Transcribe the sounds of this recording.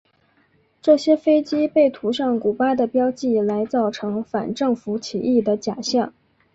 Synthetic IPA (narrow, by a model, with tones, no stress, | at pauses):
ʈ͡ʂɤ˥˩ɕjɛ˥fe˥ɪt͡ɕi˥pe˥˩ɪt̪ʰu˧˥ʂɑ˥˩ŋku˨˩pa˥ɪd̪ə˨pjɑ˥ʊt͡ɕi˥˩la˧˥ɪt͡sɑ˥˩ʊʈ͡ʂʰɤ˧˥ŋfa̰˨˩nʈ͡ʂɤ˥˩ŋfu˧˥t͡ɕʰḭ˨˩ʔi˥˩d̪ə˩t͡ɕja̰˨˩ɕjɑ˥˩ŋ